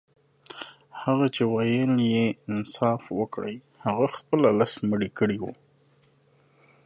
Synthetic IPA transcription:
haɣat͡ʃewajəljeɪnsɑfwəkɽə̰j | haɣaxpəlalasməɽikəɽiwṵ

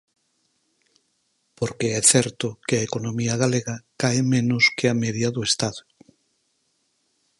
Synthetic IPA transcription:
poɾkeɛθɛɾt̪okeaekonõmiaɣaleɣakaemẽnoskeameðjaðuest̪aðo

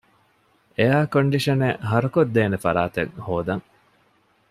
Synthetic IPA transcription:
ejaːkoɳɖiʃɐneɦɐɾɐkod̪ːeːnefɐɾaːt̪ḛŋhoːd̪ɐŋ

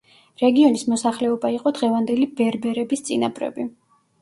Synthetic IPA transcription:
ɾɛɡiɔnismɔsaχlɛɔbaiqʼɔd̪ʁɛvand̪ɛlibɛɾbɛɾɛbist̪sʼina̰pʼɾɛ̰bi

